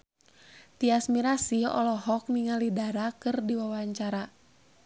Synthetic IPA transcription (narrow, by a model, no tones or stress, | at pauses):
t̪iasmiɾasiɔ̰lɔɦɔk̚niŋalidaɾakɨrdiwawaɲt͡ʃaɾa